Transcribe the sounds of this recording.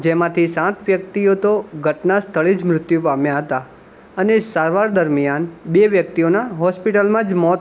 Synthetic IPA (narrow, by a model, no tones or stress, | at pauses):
d͡ʒemãt̪ʰisãt̪ʋjəkt̪iot̪oɡʱəʈnast̪ʰəɭid͡ʒmɾʊt̪jũpamjaɦət̪a | ənesaɾʋaɾd̪əɾmijanbeʋjək̚t̪ionaɦɔspiʈəlmãd͡ʒmɔt̪